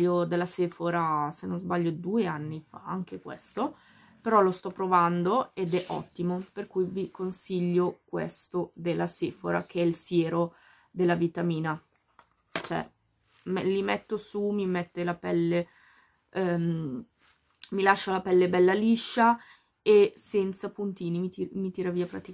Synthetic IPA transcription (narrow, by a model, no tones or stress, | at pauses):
od̪elːasefoɾasenonzbaʎːod̪ueanːifa̰aŋk̟ekwḛst̪o | peɾɔlost̪ɔpːɾovand̪oed̪ɛʔɔ̰t̪ːimoperkujvikonsiʎːokwḛst̪od̪elːaseːfo̰ɾa̰k̟eɛilsjɛːɾo | d̪elːavit̪amiːna | t͡ʃoɛ̰ | mlimɛt̪ːosumimɛt̪ːelapɛlːe | milaʃːalapɛlːebɛlːaliʃːa | esɛnt̪sapunt̪iːnimimit̪iːɾaviːapɾa̰t̪ik